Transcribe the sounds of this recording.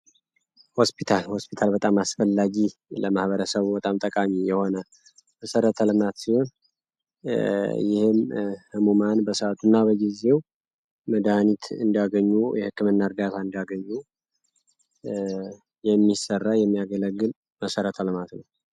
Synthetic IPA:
hospʰit̪ʰalhospitʰalbət̪ʼamasfəlːaɡiləmahβəɾəsəβbət̪ʼamt̪ʼəkʼamijɛho̞nə | məsəɾət̪ʰəlɨmat̪siho̞n | jɪhɨmhɨmumanbəsəat̪ʰunːabəɡize̞w | məd̪aanit̪ʰɨnd̪aɡəɲːujɛhɨkːɨmɨnːaɾd̪at̪ʰaɨnd̪aɡəɲːu | jɛmːisərːajɛmːijaɡələɡːɨl | məsəɾət̪ʰəlɨmat̪nəw

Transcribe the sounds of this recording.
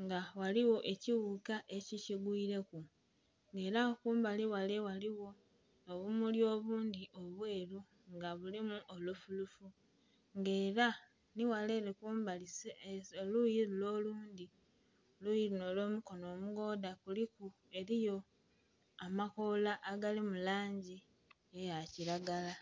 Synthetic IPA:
ŋɡawaliwo̞ʔe̞ciwukaʔe̞ciciɡwiːɾe̞ku | ŋɡe̞ːɾakuːmbaliwalewaliwo̞ | oβumuljo̞ːβuːnd̪iʔo̞βwe̞ːɾu | ŋɡaβulimuʔolufulufu | ŋɡe̞ːɾa | niwale̞ɾekuːmbalisolujiɾulo̞ːluːndi | olujinolo̞ːmuko̞no̞ːmuɡo̞ːdakuliku | e̞ɾijo̞ | amakolaʔːɡalimulaːɲɟi | ejaciɾaɡala

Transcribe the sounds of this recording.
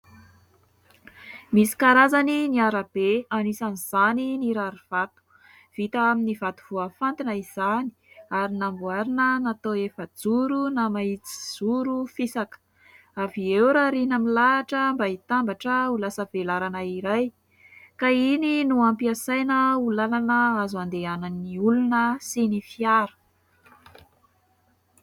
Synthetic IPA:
misi̥kaɾazaniniaɾab̥eanisaniz̥aniniɾaɾiv̥at̪u̥ | v̥it̪aaminivat̪u̥v̥uafant̪inəiz̥ani̥ | aɾinambuaɾinənat̪oefəd͡zuɾunamait͡si̥z̥uɾufisakə̥ | aviewɾaɾinəmilaːʈ͡ʂəmbait̪ambaʈ͡ʂəulasəvelaɾanəiɾaj | kaininuampiasajnəulalanəazuand̪eananiulunəsinifiaɾə̥

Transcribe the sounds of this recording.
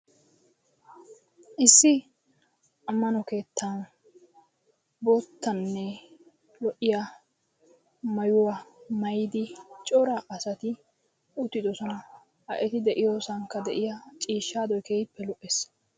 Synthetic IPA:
ʔɪsːɪ | ɐmːɐnɔke̞ːt̪ːan | boːt̪ːɐnːɛ | lɔʔɪja | mɐjʊwɐmɐjɪd̪ɪt͡ʃʼɔɾɐʔɐsɐt̪ɪ | ʊt̪ːɪd̪ɔsɔnɐ | ɐʔɛt̪ɪd̪ɛʔɪjoːsɐŋkːɐd̪ɛʔɪjɐt͡ʃʼiːʃːaːd̪ɔjkeːjɪpːɛlɔʔes

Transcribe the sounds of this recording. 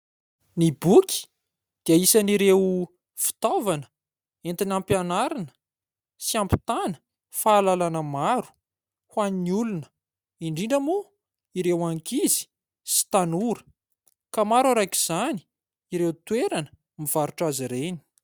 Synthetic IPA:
nibukʲi̥ | d̪̥iəisaniɾew | fi̥t̪ovanə̥ | ent̪inampjanaɾanə̥ | siampi̥t̪anə̥ | faːlalanəmaɾu̥ | hwaniniulunə̥ | iɳɖ͡ʐiɳɖ͡ʐəmu | iɾewaŋkizi̥ | si̥t̪anuɾə̥ | kamaɾaɾajkiz̥ani̥ | iɾeut̪weɾanə̥ | miv̥aɾuʈ͡ʂaziɾeni̥

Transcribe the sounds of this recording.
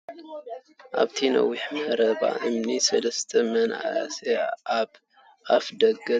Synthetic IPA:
ʔaβt̪ʰinɐ̰wːiħmɐɾɐβa̰ʔɨmnisɐlɐst̪ʰɐmɐna̰a̰se | ʔafd̪ɐɡɐ

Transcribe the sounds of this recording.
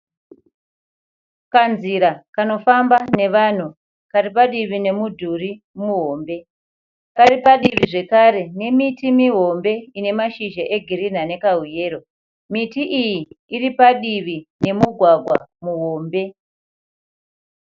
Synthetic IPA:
kanziɾakano̞fambane̞ʋan̤u | karipaɗiʋine̞mudʱuri | muɦo̞ːmbe̞ | kaɾipaɗiʋiʐe̞kaɾe̞ne̞mitimiɦo̞mbe̞ine̞maʃiʒaʔe̞ɡʱiɾin̤ane̞kaɦuje̞ːɾo̞ | mitiʔijiːripaɗiʋine̞muɡʱwaɡʱwa̰muɦo̞ːmbe̞

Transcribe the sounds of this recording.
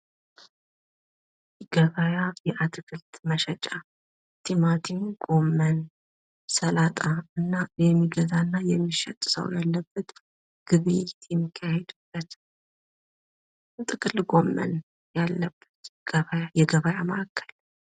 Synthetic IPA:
ɡ̥əβajajɛʔat̪ʰʼɨkʰʼɨlt̪məʃɛt͡ʃʼa | t̪ʰimat̪ʰinɡo̞mːən | səlat̪ʼaɨnːajɛmːiɡəzanːajɛmːiʃɛ̰t̪ʼːsə̰wjalːəbːət̪ | ɡ̥ɨβɨjt̪jɛmːikʰːahɛd̪ub̥ːət̪ | t̪ʼɨkʼɨlɡo̞mːə̰n | jalːəb̥ːət̪βajajɛɡəβajaməʔakːəl

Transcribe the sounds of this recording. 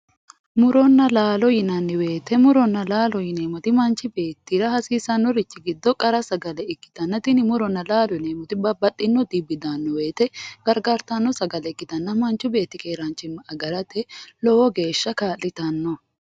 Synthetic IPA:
mʊɾɔnːɐlaːlɔjɪnɐnːɪwe̞ːt̪ɛmʊɾɔnːɐlaːlɔjɪne̞ːmɔt̪ɪmɐnt͡ʃːɪbe̞ːt̪ːiɾɐhɐsiːsɐnːɔɾɪt͡ʃːɪɡɪd̪ːɔkʼɐɾɐsɐɡɐlɛɪkːɪ̥t̪ɐnːɐt̪ɪnɪmʊɾɔnːɐlaːlɔjɪneːmɔt̪ɪbɐbɐt̪ʼːɪnːɔd̪ɪbɪd̪anːɔwe̞ːt̪ɛɡ̥ɐɾɡaɾt̪ɐnːɔsɐɡɐlɛɪkːɪt̪ɐnːɐmɐnt͡ʃʊbe̞ːt̪ːɪkʼeːɾant͡ʃɪmːɐɐɡɐɾɐt̪ɛlɔwɔɡe̞ːʃːɐkaːlːɪt̪ɐnːɔ

